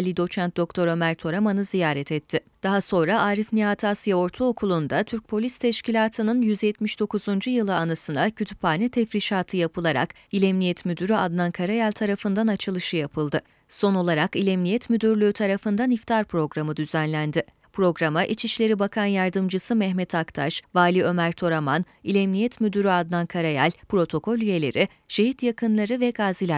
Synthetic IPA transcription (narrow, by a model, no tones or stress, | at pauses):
lʲːid̪o̞t͡ʃʰant̪̚d̪o̞kt̪ʰo̞ɾo̞mæɾt̪ʰo̞ɾamanɯzijaːɾɛt̪ʰɛt̪ʰːɪ | d̪̥aɦaso̞nɾaʔaːɾifniat̪ʰasjao̞ɾt̪ʰuokʰulˠund̪at̪ʰyɾc̚pʰo̞lʲist̪ʰɛʃcilʲaːt̪ʰɯnɯnjyzjɛt̪miʃd̪̥o̞kuzund͡ʒujɯlˠɯanasɯnacʰøt̪ʰy̥pʰaːnʲɛt̪ʰɛfɾiʃaːt̪ʰɯjapʰɯlˠaɾa̰k | ilʲɛmnʲijɛt̪myd̪yɾyad̪nankʰaɾajalʲt̪ʰaɾafɯnd̪anat͡ʃʰɯlˠɯʃɯjapʰɯlˠd̪ɯ | so̞no̞lˠaɾakilʲɛmnʲijɛt̪myd̪yɾlʲyːt̪ʰaɾafɯnd̪anift̪ʰaɾpʰɾo̞ɡɾamɯd̪yzænlʲænd̪ɪ | pɾo̞ɡɾamaʔit͡ʃʰiʃlʲe̞ɾibakʰanjaɾd̪ɯmd͡ʒɯsɯmɛhmɛt̪ʰakt̪ʰaʃvaːlʲiø̞mæɾt̪ʰo̞ɾaman | ilʲɛmnʲijɛt̪myd̪yɾyad̪nˠankʰaɾajalʲpɾo̞t̪ʰo̞kʰo̞lʲje̞lʲe̞̰ɾʔi | ʃe̞ɦit̪jakɯnlˠaɾɯvɛɡaːzilʲæ